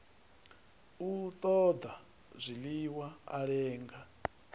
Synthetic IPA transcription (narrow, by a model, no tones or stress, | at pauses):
ut̪ʼɔd̪a | zʷiliwaa̰ɺɛːŋɡa